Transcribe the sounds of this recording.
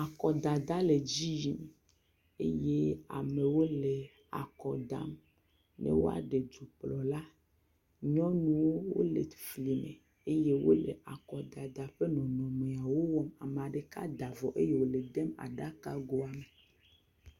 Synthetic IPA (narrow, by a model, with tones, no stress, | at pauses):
a˨kɔ˨d̪a˨d̪a˦le˨d͡ʑi˦ji˦m | e˦je˦a̰˨me˨wo˦le˨ | a̰˨kɔ˨d̪a̰˦m | nʔḛ˦wo̰˦a̰˨ɖe˨d͡ʒu˨plɔ˨la˦ | ɲɔ̃˦nũ˦wo˦wo̰˦lḛ˨fli˨mḛ̃˨ | e˦je˦wo̰˦lḛ˨ʔa˨kɔ˨d̪a˨d̪a˨ɸe˦nɔ̃˨nɔ̃˨me˨a˨wo˦wɔ˦ma˨me˨a˨ɖe˨ka̰˦d̪a˨vɔ˨ʔe˦je˦wo˨le˨d̪ɛ˦ma̰˨ɖa˦ka˦ɡo˦a˨me˨